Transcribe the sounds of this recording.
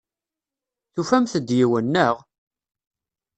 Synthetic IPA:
θufæmθəd̪jiwənːəʁ

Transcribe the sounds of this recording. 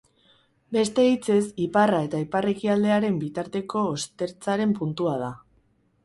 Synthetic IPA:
be̞st̪e̞it͡se̞siparae̞t̪aipare̞kiald̪e̞aɾe̞mbit̪aɾt̪e̞ko̞ːst̪e̞ɾt͡saɾe̞mpunt̪uað̞a

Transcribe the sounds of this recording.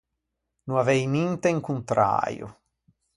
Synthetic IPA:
nuavɛjnint̪eiŋkunt̪ɾa̰ːɾjo̰

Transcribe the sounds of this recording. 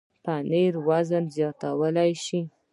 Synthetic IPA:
paneɾwazənzjɑt̪awəlajʃi

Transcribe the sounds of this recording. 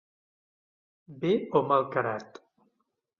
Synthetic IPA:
beomalˠkaɾat̪

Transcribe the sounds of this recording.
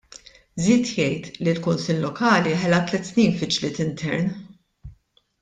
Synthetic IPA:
ziːt̪jɛjt̪lilkʊnsɪlːɔkɐːliħɛlɐt̪lɛt̪ːsniːnfɪt͡ʃlɪːt̪ɪnt̪ʰɛɾn

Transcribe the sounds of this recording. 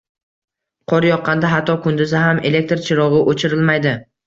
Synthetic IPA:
qʰɒɾjɒqʰːɑnd̪aɦat̪ʰːɒkʰʊnd̪ʊzɪɦame̞le̞k̚t̪ɾt͡ʃʰɪɾɒʁɪʔot͡ʃʰɪɾɪlmajd̪ɪ

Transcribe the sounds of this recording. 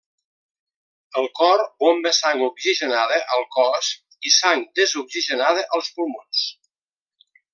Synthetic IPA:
əlˠkɔɾombəsaŋɡukziʒənaðəʔəlˠkɔs | isaŋd̪əzukziʒənaðəʔəlˠspulmons

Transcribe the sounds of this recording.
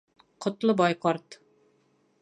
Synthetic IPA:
qʰŏt̪lˠɨbɑjqɑɾt̪

